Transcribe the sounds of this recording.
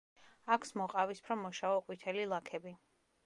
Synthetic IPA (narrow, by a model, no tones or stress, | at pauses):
akʰsmɔqʼavispʰɾɔmɔʃaɔqʼwit̪ʰɛlilˠakʰɛbi